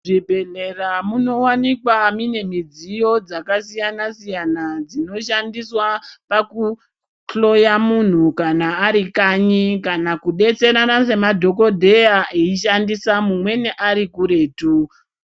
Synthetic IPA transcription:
ʐibʱe̞ɮe̞ramuno̞wanikwamine̞mid͡zijo̞d͡zakasijanasijanad͡zino̞ʃandiswapaku | ɬo̞jamun̤ukanaːɾikaɲikanakuɗe̞t͡se̞ɾanase̞madʱo̞ko̞dʱe̞jaʔiiʃandisamumwe̞neʔaɾikuɾe̞ːtu

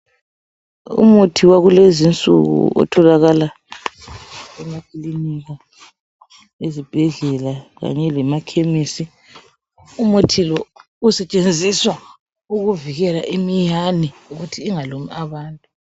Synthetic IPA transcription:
ṵmutʰiwaɣulezint͡sʼṵɣṵɔ̰tʰɔlaɣala | ɛmakʰʼiliniɣa | ezib̥ʱɛɮɛlaɣa̰ɲɛlɛmakʰemisi | umutʰilɔ | usɛt͡ʃʼend͡zʱiswa | uɣuviɣɛlaʔimijaniuɣutʰiːŋalumiʔaβaːntʼu

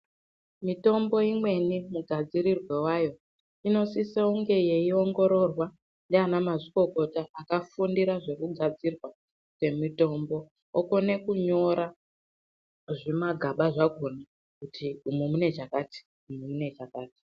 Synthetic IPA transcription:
mito̞mbo̞imwe̞nimuɡʱad͡ziɾirwe̞wajo̞ | ino̞siseuŋɡe̞je̞io̞ŋɡo̞ɾo̞rwa | ndeanamaʐiko̞ko̞taʔːkafundiɾaʐe̞kuɡʱad͡zirwa | kwe̞mito̞mbo̞ | okone̞kuɲo̞ɾa | ʐimaɡʱaɓaʐaɡʱona | kutʰiumumune̞t͡ʃakaːti̥ | umumune̞t͡ʃakaːti̥

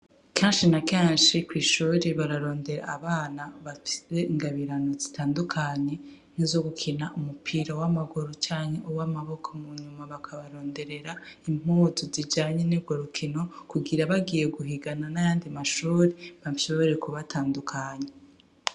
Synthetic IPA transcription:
keːnʃinakeːnʃikwiːʃuːɾeβaɾaɾo̞ːnde̞ɾa̰ːβaːnaβafi̥seiŋɡaβiɾano̞zitʰaːndukʰaɲe̞ | nizo̞ɡukʰinaʔumupʰiɾawamaɡuɾot͡ʃaːɲe̞ʔuwamaβo̞kʰomuɲumaβakʰaβaɾo̞ːnde̞ɾe̞ɾaim̥uːzuzid͡ʒaːɲenibɡo̞ɾukʰino̞kuɡiɾaβaɡije̞ɡuɦiɡananajaːndimaʃuːɾeβaʃoβo̞ɾe̞kuβatʰaːndukʰaːɲe

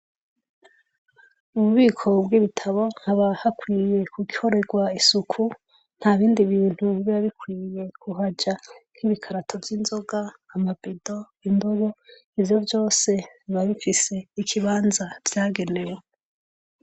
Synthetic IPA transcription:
uβuβiːkʰo̞bɡiːβitʰaβo̞n̥haβahakwiːje̞kʰuɡiho̞ɾe̞ɡwaisukʰu | n̥haβiːndiβiːn̥huβiβiβaβikwiːje̞kuɦad͡ʒan̥hiβikʰaɾatʰo̞vjiːnzo̞ɡaːmabido̞ | indoβo̞ | ivjo̞vjo̞ːse̞βaβifise̞ikʰiβaːnzavjaːɡe̞newe

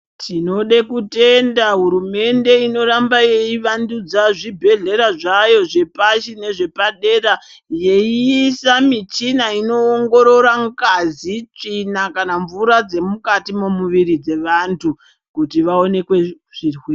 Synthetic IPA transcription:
tʰino̞ɗekute̞ndaɦuɾume̞nde̞ino̞ɾambaje̞iʋandud͡zaʐibʱe̞ɮe̞ɾaʐajo̞ʐe̞paʃine̞ʐe̞paɗeːɾa | je̞iːsamit͡ʃinaino̞ːŋɡo̞ɾo̞ɾaŋkazit͡ʂinakanaɱvuɾad͡ze̞mukatimumuʋiɾid͡ze̞ʋantʰu | kutiʋao̞ne̞kwe̞ | ʐ̥irwi

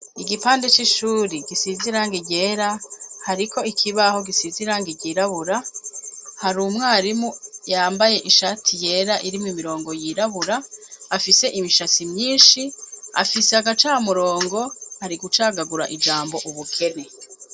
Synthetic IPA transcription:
iɡipaːndet͡ʃiʃuːɾiɡisiziɾaːŋɡeɟe̞ːɾahaɾikʰo̞ikʰiβaho̞ɡisiziɾaːŋɡeɟiːɾaβuɾa | haɾumŋaːɾimujaːmbaje̞ʔiʃatʰije̞ːɾaʔiɾimumiɾo̞ːŋɡo̞jiɾaβuɾaːfise̞ʔimiʃasimɲiːnʃia̰fisehaɡat͡ʃaːmuɾo̞ːŋɡo̞haɾiɡut͡ʃaːɡaɡuɾa̰ʔid͡ʒaːmbo̞ʔuβukʰe̞ne

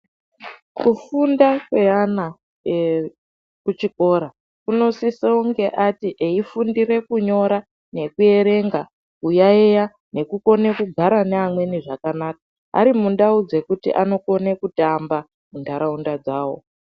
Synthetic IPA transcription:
kufundakweana | kut͡ʃiko̞ɾa | kuno̞siseuŋɡe̞ʔatiʔeifundiɾe̞kuɲo̞ɾa | ne̞kue̞ɾe̞ŋɡa | ujaeja | ne̞kuko̞ne̞kuɡʱaɾaneamwe̞niʐakanaːkḁ | a̰ɾimunɗaud͡ze̞kutḭʔano̞ko̞nekutamba | mundʱaɾaundad͡zaːwo̞̰

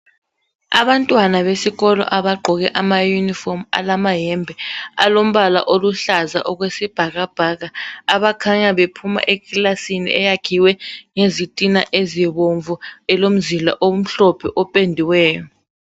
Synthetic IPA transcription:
a̰ɓantʼwanaβesiɣ̬ɔlɔ̰ʔaɓaɡ͡ǃʱɔk̬ɛʔamajunifɔma̰lamaɦɛmbʱɛalom̩ɓala̰ʔoluɬaza̰ʔɔk̬wesib̥ʱak̬ab̥ʱak̬aːɓakʰaɲaɓepʰuma̰ʔekʼilasinḭʔɛjaɡ̥ʰʱiwɛŋezitʼinaʔeziɓoɱvuɛlom̩zila̰ʔom̩ɬɔpʰɛʔɔpʼendʱiwɛːjɔ

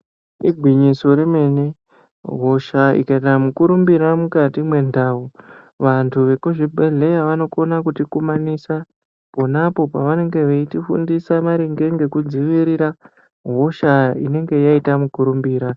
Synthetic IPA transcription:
iɡʱwiɲiso̞ɾeme̞ːne | ɦo̞ʃaḭkait̬amukuɾumbiɾamukatimwe̞ndaːu | ʋantʰuʋe̞kuʒibʱeɮe̞jaʋano̞konakutikumanisa | po̞napo̞paʋane̞ŋɡe̞ʋeitifṵndisamaɾiŋɡe̞ŋɡe̞kud͡ziʋiɾiɾa | ɦo̞ʃaḭne̞ŋɡe̞jaitamukuɾumbiːɾa

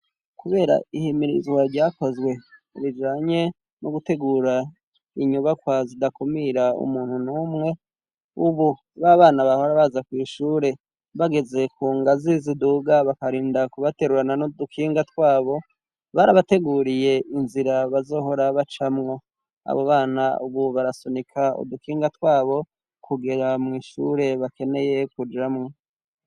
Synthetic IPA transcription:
kuβe̞ːɾa̰ihimiɾḭzwaɾɟaːko̞zɡwe̞ | ɾid͡ʒaːɲe̞ | noɡute̞ɡuːɾa | iɲuβakwazidakumiɾaṵmuːnhunuːmŋe̞ | uβu | βaβaːnaβaho̞ɾaβazakwiːʃuːɾe̞ | βaɡe̞ze̞kʰuːŋɡaziziduɡaβakaɾiːndakuβate̞ɾuɾananodukʰiːŋɡatwaːβo̞ | βaɾaβate̞ɡuːɾije̞ʔinziɾaβazo̞ːɦo̞ɾaβat͡ʃamŋo̞ | a̰βoβaːnauβuβaɾasonikʰao̰dukiːŋɡatwaːβo̞ | kʰuɡeɾamŋiːʃṵɾe̞βake̞ne̞je̞kud͡ʒamŋo

